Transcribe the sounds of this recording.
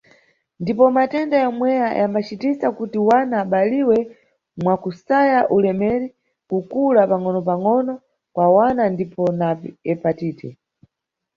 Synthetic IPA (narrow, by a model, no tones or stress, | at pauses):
ndipɔmatɛndajɔmwɛjajʔambat͡ʃitisakutiwanaːɓaliwɛ | mwakusajaʔulɛmɛɾi | kukulapaŋɔnɔp̬aŋɔnɔ | kwawanandipɔnapɛpatiːtʰɛ̰